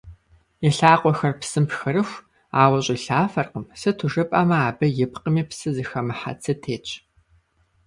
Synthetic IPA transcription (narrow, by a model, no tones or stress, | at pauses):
ɪɬaːqʷɔxɐrpsɨmpxɨɾɨxʷ | aːwɐɕʼɪɬaːfɐrqəmsɨtʰʊʒɨpʼaːmɐaːbɐjɪpqəmiːpsɨzɨxɐmɨħa̰t͡sʰɐtʰeːt͡ʃʼ